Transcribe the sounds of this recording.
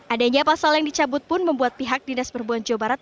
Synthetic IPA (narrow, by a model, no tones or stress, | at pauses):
ʔadaɲapasaljaŋdit͡ʃabʊt̪̚pʊnməmbuat̪̚piɦak̚dinaspərbuand͡ʒawbaɾat̪̚